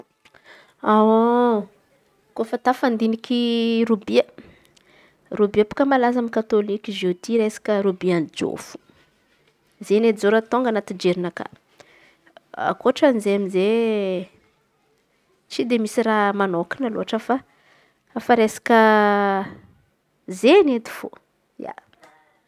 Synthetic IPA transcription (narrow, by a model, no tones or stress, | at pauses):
awo | kofat̪afand̪inikʰiɾubiə | rubiapu̥kəmalazamikat̪olikizet̪iɾesḁkʲəɾubiand͡ʒo̰fu̥ | zened͡zoɾət̪oŋɡanat̪id͡ʒeɾinaka̰ | a̰koʈ͡ʂanizeaminze | t͡sid̪emisiramanoki̥nəlo̰ɦaʈ͡ʂəfa | afaɾesḁkə | zened̪i̥fo̰ | ja̰